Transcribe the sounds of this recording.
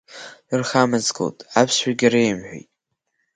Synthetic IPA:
ɨrχamɨzɡo̰wtʼapʰsħaɡʲaɾejmħʷᶣḛjtʼ

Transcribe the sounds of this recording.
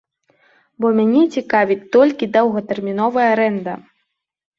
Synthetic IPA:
bɔmʲanʲɛt͡sʲikavʲit̪ːɔlʲkʲid̪ɐwɣɐt̪ɛrmʲinɔvɐjɐaɾɛnd̪ɐ

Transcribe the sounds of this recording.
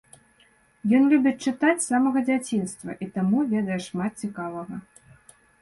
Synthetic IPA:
jɔnlʲubʲɛt͡sʲt͡ʂɨt̪at͡sʲsamɐɣɐd͡zʲat͡sʲinst̪vɐ̰ʔit̪amuvʲɛd̪ɐjɛʂmat̪̚t͡sʲikavɐɣɐ

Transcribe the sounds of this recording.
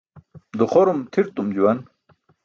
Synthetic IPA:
d̪uχoɾumt̪ʰiɾt̪umd͡ʑuwɐn

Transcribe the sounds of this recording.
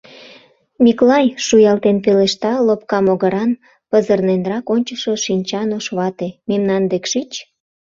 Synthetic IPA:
miklɑjʃujɑlt̪enpeleʃt̪ɑlopkɑmoɣəɾɑn | pəzərnenrɑkonʲt͡ɕəʃoʃinʲt͡ɕɑnoʃβɑt̪ememnɑnd̪ekʃit͡ɕ

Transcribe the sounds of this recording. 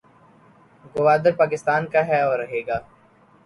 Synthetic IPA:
ɡʊʋaːd̪əɾpaːk̬ɪst̪aːnkaɦɛɔːɾːɐɦeːɡaː

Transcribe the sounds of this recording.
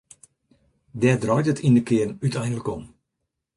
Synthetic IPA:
dɛdrɔjtətʰindəkɪərnytɛjndələkɔm

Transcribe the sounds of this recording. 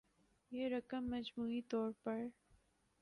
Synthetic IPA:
jeːɾɐkəmːɐd͡ʒmuːit̪ɔːɾpɐɾ

